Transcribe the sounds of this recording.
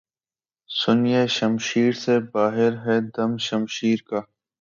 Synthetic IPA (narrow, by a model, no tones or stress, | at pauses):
sʊnijeʃəmʃiːɾsebaːɦɪɾɦɛːd̪ɐmʃəmʃiːɾkaː